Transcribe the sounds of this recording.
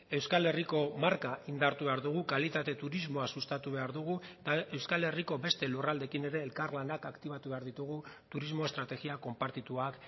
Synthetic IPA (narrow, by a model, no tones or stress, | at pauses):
e̞wskale̞riko̞maɾkaʔind̪aɾt̪uβe̞aɾðuɣ̞ukalit̪at̪e̞t̪uɾizmo̞asust̪at̪uβe̞aɾðuɣ̞ut̪ae̞wskale̞riko̞be̞st̪e̞lurald̪e̞kine̞ɾe̞ːlkarlanakakt̪iβ̞at̪uβe̞aɾðit̪uɣ̞u | t̪uɾizmo̞est̪ɾat̪e̞ɣiako̞mpaɾt̪it̪uak